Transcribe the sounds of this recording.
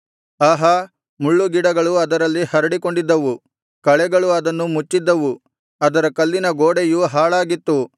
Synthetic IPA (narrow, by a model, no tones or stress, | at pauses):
aːɦɐ | muɭːuɡiɽɐɡɐɭuɐd̪ɐɾɐlːihɐɾɐɽiko̞ɳɖid̪ːɐʋu | kɐɭɛɡɐɭuɐd̪ɐnːumut͡ʃːid̪ːɐʋu | ɐd̪ɐɾɐkɐlːinɐɡoːɽejuɦaːɭaːɡit̪ːu